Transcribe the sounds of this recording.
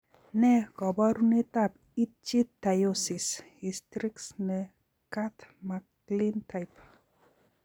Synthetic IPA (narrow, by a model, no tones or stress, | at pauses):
nɛɡɔbɔɾunit̪ap | it͡ʃit̪ːajosis | ist̪ɾiksne | kat̪ʰmak | lint̪ʰajp